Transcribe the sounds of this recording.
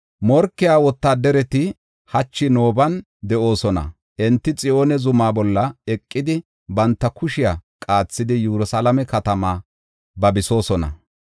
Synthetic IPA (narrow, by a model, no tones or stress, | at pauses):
mɔɾkːɪjaːwɔt̪ːaːd̪ɛɾɛt̪ɪ | hɐt͡ʃːɪno̞ːbɐn | d̪ɛʔo̞ːsɔnɐ̰ | ʔɛnt̪ːɪt͡sʼɪʔo̞ːnɛzʊmaːbɔlːɐɛkʼːɪd̪ɪ | bɐnt̪ːɐkʊʃɪjakʼaːt͡sːɪd̪ɪjuɾʊsalɐmɛkɐt̪ɐmaː | bɐbɪso̞ːsɔnɐ̰